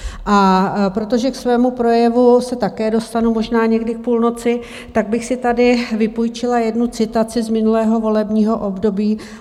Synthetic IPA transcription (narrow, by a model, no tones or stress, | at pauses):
ʔapɾo̞t̪o̞ʒɛksvɛːmupɾo̞jɛvusɛt̪akɛːdo̞st̪anumo̞ʒnaːɲɛɡdɪk̚puːlno̞t͡sɪ | t̪aɡ̚bɪxsɪt̪adɪvɪpujt͡ʃɪlajɛdnut͡sɪt̪at͡sɪzmɪnulɛːɦo̞vo̞lɛbɲiːɦo̞ʔo̞bdobiː